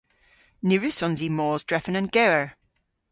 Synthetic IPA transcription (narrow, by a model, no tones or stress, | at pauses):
nʉɹʉsɔ̃nzimɔːzdɹɛfə̃nə̃nɡ̥ɛwəɹ